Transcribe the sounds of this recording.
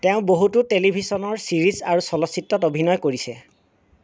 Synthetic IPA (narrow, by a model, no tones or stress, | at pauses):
teʊ̃boɦututelibʱisɔnɔɹsiɹizaɹusɔlɔsitːɔtobʱinɔjkoɹisɛ